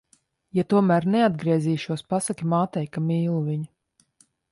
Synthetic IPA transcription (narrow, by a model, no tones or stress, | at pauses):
jat̪uɔmæːɾnɛad̪̚ɡɾiɛziːʃuɔspasakʲimaːt̪ɛjkamiːlˠuviɲu